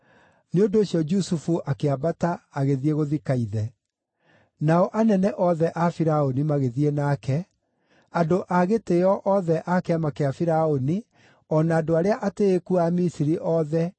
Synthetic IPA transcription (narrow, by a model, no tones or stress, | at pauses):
neondooɕjɔd͡ʒusufuʔakeabataːɣeðieɣoðikaiðɛ | naɔʔanɛnɛʔɔðɛʔafiɾaonimaɣeðienaːkɛ | adoʔaɣeteɔʔɔðɛʔakeamakeafiɾaoni | ɔnaːdoaɾeaʔateːkuamisiɾiʔɔðɛ